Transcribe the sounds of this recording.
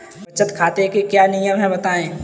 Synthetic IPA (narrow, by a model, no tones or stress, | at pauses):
bɐt͡ʃət̪kʰaːt̪ekekjanijəmɦɛ̃bɐt̪aːẽː